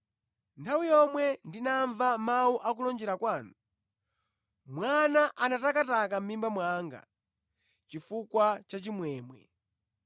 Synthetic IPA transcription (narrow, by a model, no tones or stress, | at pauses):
ntʰawijɔmwɛndinaɱvamauʔak̬ulɔnd͡ʒɛɾakwaːnu | mwanaʔanatakatak̬am̩mimbamwaŋɡa̰ | t͡ʃifukwat͡ʃat͡ʃimwɛːmwɛ̰